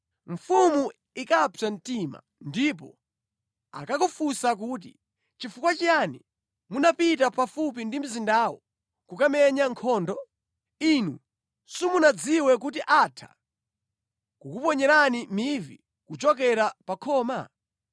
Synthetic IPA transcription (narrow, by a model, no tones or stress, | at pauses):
ɱfumu | ikapan̩tima̰ | ndip̬ɔ̰ | a̰kakɔfusak̬uːt̬i | t͡ʃifukwat͡ʃijani | munapit̬apafup̬indim̩zindaːwɔ | kukamɛɲaŋkʰɔːndɔ | inu | sumunad͡ziwɛkut̬iʔatʰḁ̰ | kukupɔɲɛɾanimivḭ | kut͡ʃɔkɛɾapakʰɔːma